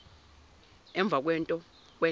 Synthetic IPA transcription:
ɛɱb̪vʱak̬wɛntʼɔ | kwɛ

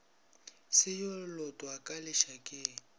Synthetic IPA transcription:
sɪjolɔtʼwakʼalɪʃakʼɪ

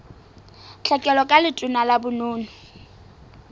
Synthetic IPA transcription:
t͡ɬʰɛkʼɛlɔkʼalɪtʼʊnalabʊnoːnʊ

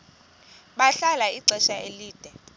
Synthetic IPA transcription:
ɓaɬalaiɡ͡ǀʱɛʃaeliːd̥ʱɛ

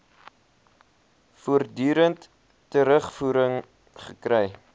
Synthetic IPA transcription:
fuərdyːɾəntː | əɾəχfuːɾəŋ | χəkrɛj

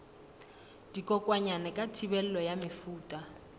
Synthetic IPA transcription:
d̥ikʼɔkʼwaɲanɛkʼatʰibɛl̩lɔjamɪfuːtʼa

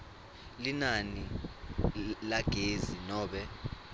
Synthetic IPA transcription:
linani | laɡ̥ʱezinɔːɓɛ

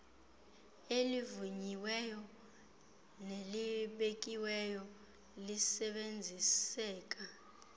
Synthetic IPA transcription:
elivuɲiwɛjɔ | neliɓek̬ʼiwɛjɔ | lisɛɓend͡zʱisɛːk̬ʼa

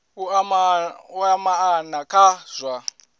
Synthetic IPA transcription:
uauamaanakʰaz̥ʷa

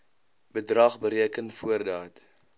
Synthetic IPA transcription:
bədrɐχbəɾiəkənfuərdɑːt

